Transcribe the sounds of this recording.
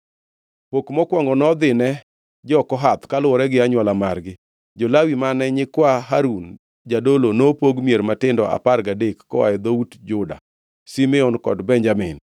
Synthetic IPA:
pokmɔkwɔŋɡɔnɔd̪ɪnɛ | d͡ʒɔkɔɦat̪kalʊɔɾɛɡɪaɲwalamarɡɪ | d͡ʒɔlawimanɛɲɪkwaɦaɾun | d͡ʒadolonopoɡmjeɾmatɪndɔʔa̰parɡadekːɔwa̰ɛd̪outd͡ʒʊda̰ | simɪɔnkɔ̰dbɛnd͡ʒamɪn

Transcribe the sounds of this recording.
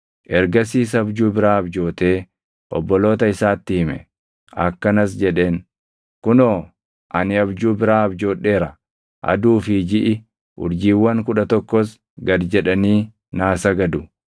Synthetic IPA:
ʔɛɾɡɐsiːs̬ɐbd͡ʒuːbɪɾaːɐbd͡ʒo̞ːt̪e̞ː | ʔɔ̰bːɔlo̞ːt̪ɐɪsaːt̪ːɪhɪmɛ̰ | ɐ̰kːɐnɐs̬d͡ʒɛᶑe̞ːn | kʊnoː | ʔɐnɪɐbd͡ʒuːbɪɾaːɐbd͡ʒo̞ːᶑe̞ːɾɐ | ʔɐ̰d̪uːfɪd͡ʒɪʔɪ | ʔʊ̰ɾd͡ʒiːwːɐŋkʊᶑɐt̪ɔkːɔs | ɡɐd̪d͡ʒɛᶑɐniː | naːsɐɡɐd̪ʊ

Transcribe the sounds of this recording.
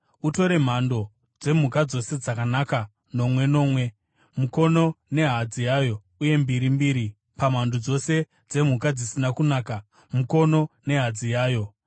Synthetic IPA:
uto̞ɾe̞m̤ando̞ | d͡ze̞m̤ukad͡zo̞se̞d͡zakanaka | no̞mwe̞no̞ːmwe̞ | muko̞no̞ne̞ɦad͡zijajo̞ | uje̞mbiɾimbiːɾi | pam̤andod͡zo̞se̞ | d͡ze̞m̤ukad͡zisinakunaːka | muko̞no̞ne̞ɦad͡zijaːjo̞

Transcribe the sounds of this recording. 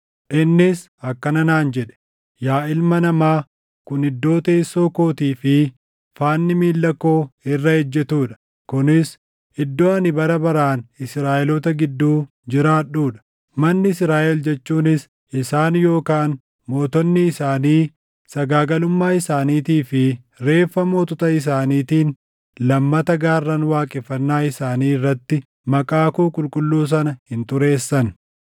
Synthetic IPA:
ʔɪnːɪs | ɐkːɐnɐnaːnd͡ʒɛᶑɛ̥ | jaːʔɪlmɐnɐmaː | kʊnɪd̪ːo̞ːt̪eːsːoːko̞ːt̪iːfɪ | faːnːɪmiːlːɐkːo̞ːɪrːɐhɛd͡ʒːɛt̪uːᶑɐ̥ | kʊnɪs | ɪd̪ːoːɐnɪbɐɾɐbɐɾaːnɪsɾaːʔɛlɔt̪ɐɡɪd̪ːuː | d͡ʒɪɾaːᶑuːᶑɐ̥ | mɐnːɪɪsɾaːʔɛld͡ʒɛt͡ʃːuːnɪs | ʔɪsaːnjo̞ːkaːn | mo̞ːt̪ɔnːɪːsaːniː | sɐɡaːɡɐlʊmːaːɪsaːniːt̪iːfɪ | ɾe̞ːfːɐmoːt̪ʊt̪ɐɪs̬aːniːt̪iːn | lɐmːɐt̪ɐɡaːrːɐnwaːkʼɪfːɐnːaːɪsaːniːrːɐt̪ːɪ | mɐkʼaːkuːkʼʊlkʼʊlːuːs̬ɐnɐhɪnt̪ʊɾe̞ːsːɐn

